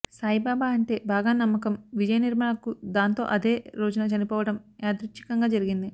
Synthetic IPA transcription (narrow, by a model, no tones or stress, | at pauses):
saːjibaːbaːɐɳʈe̞ːbaːɡaːnɐmːɐkɐmʋid͡ʒɐjɐniɾmaːɳɐkud̪aːnt̪o̞̰ːʔɐd̪e̞ːɾoːd͡ʒunɐt͡ʃɐnipɔːʋɐɽɐmeːd̪ɾutːi̥kɐŋɡaːd͡ʒɐɾiɡind̪i